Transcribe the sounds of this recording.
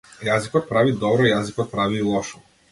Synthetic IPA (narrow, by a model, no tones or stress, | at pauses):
jazikɔt̪̚pɾavid̪ɔbɾɔijazikɔt̪̚pɾavilˠɔʃɔ